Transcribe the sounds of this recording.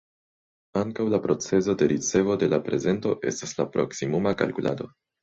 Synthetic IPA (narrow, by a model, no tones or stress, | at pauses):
aŋkawlapɾo̞t͡se̞zo̞de̞ɾit͡se̞vo̞de̞lapɾe̞ze̞nto̞ʔe̞̰stasla̰pɾo̞̰ksimumaka̰lkulʔa̰do̞̰